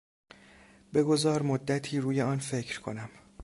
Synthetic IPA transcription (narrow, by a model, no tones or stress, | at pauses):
be̞ɡo̞zɒːɾmod̪ːæt̪ʰiːɾuːjeɒːnfecʰɾkʰo̞̰næm